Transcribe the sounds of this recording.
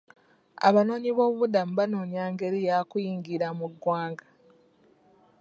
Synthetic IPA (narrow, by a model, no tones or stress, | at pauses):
a̰βano̞ːniβo̞ːβuβudamuβano̞ːniaːŋɡe̞ɾijakujiːŋɡiɾamuɡːwaːŋɡḁ